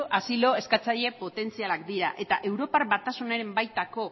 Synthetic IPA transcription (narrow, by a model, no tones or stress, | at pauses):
ʔasilo̞e̞skat͡saʎe̞po̞t̪e̞nt͡sialakd̪iɾaʔe̞t̪aʔe̞wɾo̞parβat̪asuneɾe̞mbajt̪ako̞